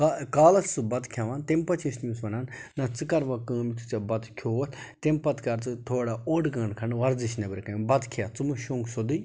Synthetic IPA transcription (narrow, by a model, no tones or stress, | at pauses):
kakaːlɐt͡st͡sɨbɐt̪kʰjaʋaːnt̪empɐt͡ʃʰismʲuːsʋɐnaːnːɐt͡sɨkɐɾʋakəːmit̪ʰu̥t͡sɐbɐt̪kʰjoːt̪ʰʲ | t̪empɐt̪kɐɾt͡sɨt̪ʰoːɽaoːɖɡɐ̃ːnkʰɐnʋɐɾd͡ziʃnɐbɐɾkɐbɐt̪kʰijat͡sɨmuʃoːŋɡsod̪ɨj